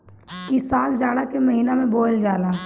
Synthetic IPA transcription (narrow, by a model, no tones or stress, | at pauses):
kisaːkd͡ʒaːɽakemɐɦiːnamẽboːld͡ʒaːlaː